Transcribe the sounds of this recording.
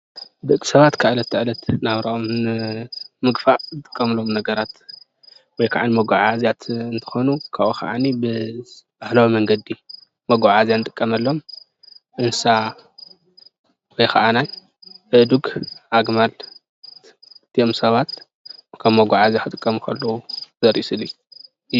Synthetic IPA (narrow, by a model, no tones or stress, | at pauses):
d̪ɨkʼi̥sɐβat̪kʰaʔlɐt̪ːɨʕlɐt̪naβɾɐʔom | mɨɡfaʕzɨt̪ʼɨ̥kʼːɐmlo̞mnɐɡɐɾat̪ | wɔjkʰaʕanimɐɡʷaʕazijat̪ɨnt̪ʰɐ̥xonukʰaβoka̰ʔanibɨb̥ahlawimɐŋɡɐd̪ːi | mɐɡʷaʕazjanɨt̪ʼɨ̥kʼːɐmɐlːom | ʔɨnsa | wɔjkʰa̰ʔanaj | ʔɨʔd̪uɡʔaɡmal | t̪ʰiomsɐβat̪ | kʰɐβmɐɡʷaʕazjaxɨt̪ʼɨkʼːɐmukʰɐlːɐwuz̥ɐɾʔisɨli